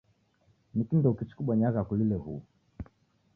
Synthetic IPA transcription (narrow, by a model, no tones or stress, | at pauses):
nikindɔukit͡ʃi̥kuɓaɲaɣakulilɛhṵ